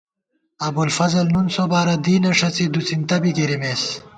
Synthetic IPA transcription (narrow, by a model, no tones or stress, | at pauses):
ɐbulfɐzɐlnunsobaːɾɐd̪iːnɐʂɐt͡sid̪ut͡sint̪ɐbiɡeɾimeːs